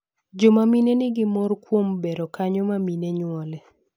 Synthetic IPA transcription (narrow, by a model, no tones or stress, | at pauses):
d͡ʒomaminenɪɡɪmɔɾkwombeɾokaɲɔmamineɲwɔlɛ